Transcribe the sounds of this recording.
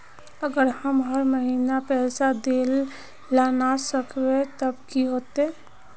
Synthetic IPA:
əɡəɾhəmɦəɾməɦiːnapɛːsad̪eːlː | aːnasəkʰwet̪əbkiɦoːt̪eː

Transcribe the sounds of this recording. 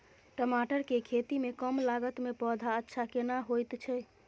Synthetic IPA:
ʈəmaʈəɾkekʰet̪imekəmlaɡət̪mepɔd̪ʱaətːʃʰakenaɦojt̪t͡ʃʰɛ

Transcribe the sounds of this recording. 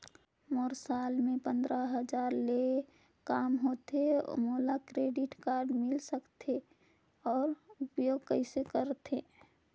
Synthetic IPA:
moːɾsaːlmẽpə̃nd̪ɾəɦəd͡ʒaːɾle | kaːmɦoːt̪ḛmoːlakɾeːɖɪʈkaːɾɖmɪlsəkt̪ʰe | ɔːɾʊpjoːɡkəɪsekəɾt̪ʰe

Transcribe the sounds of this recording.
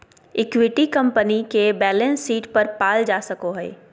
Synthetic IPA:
ɪkwɪʈikɐ̃mpənikebɛːlə̃nsːiːʈpɐɾpaːld͡ʒaːsɐkoɦɛ̰ː

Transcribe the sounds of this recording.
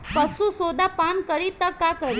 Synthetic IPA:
pəsũsod̪apankəɽit̪əkakəɾ

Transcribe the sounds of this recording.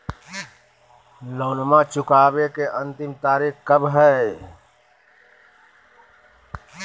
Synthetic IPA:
loːnmãt͡ʃʊkaːbekeʔə̃nt̪ɪmt̪aːɾiːkkəbɦɛ

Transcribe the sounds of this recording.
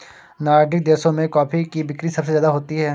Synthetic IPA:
naːɾɖɪk̚d̪eːɾsõmẽkɔːpikibɪkɾisɐbsezjaːd̪aɦoːt̪iɦɛː

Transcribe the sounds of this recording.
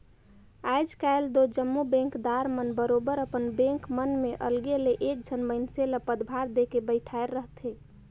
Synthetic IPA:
ajd͡ʒkaeld̪od͡ʒəmːubɛ̃ŋkd̪aɾmənbəɾobəɾəpənbẽŋkmənmeʔəlɡeleʔek̚d͡ʒʱənməɪnseləpəd̪bʱaɾd̪ekebəɪʈʰaeɾːəɦt̪ɦe

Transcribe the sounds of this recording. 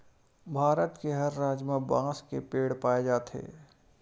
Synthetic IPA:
bʱaːɾət̪keɦɐɾːaːd͡ʒmẽbãːskepeːɽpaːed͡ʒaːt̪ɦḛː

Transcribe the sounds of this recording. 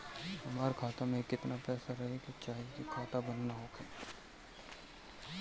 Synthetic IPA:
ɦɐmaːɾkʰaːt̪amẽkɪt̪napɛːsaɾɐɦekit͡ʃaːɦikikʰaːt̪abɐnːaɦoːkɛː

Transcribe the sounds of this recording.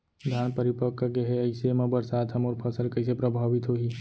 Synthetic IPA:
d̪ʱaːnpəɾɪpəkkeɦeəɪsemãbəɾsaːd̪ɦəmoɾpʰəsəlkəɪsepɾəbʱaːʋit̪ɦoɦi

